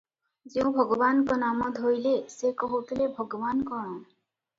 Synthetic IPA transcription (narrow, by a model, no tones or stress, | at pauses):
zeũbʱɔɡɔbankɔnamɔd̪ɦojlesekɔɦot̪ʰilebʱɔɡɔbankɔɹ̃ɔ̃